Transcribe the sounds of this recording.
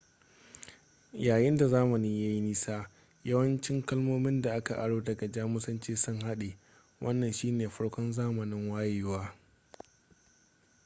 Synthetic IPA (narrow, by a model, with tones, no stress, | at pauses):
jaː˨jɪ˦nda˨zaː˦mɐ˨ni˦ŋja˦ji˦niː˦saː˦ | jɐ˦wɐ˦nt͡ʃɪ˦ŋkɐ˦lmoː˦mɪ˦nda˨ʔa˦ka˨ʔa˨ɽoː˦dɐ˨ɡɐ˨d͡ʒaː˦mʊ˦sɐ˦nt͡ʃeː˦sʊ˦ŋha˦ɗeː˨ | wʔɐ˦nːɐ˨nʃiː˦neː˨ɸɐ˦ɽkʷɔ˦nzaː˦mɐ˨nɪ˦ŋwaː˦jɪ˦waː˦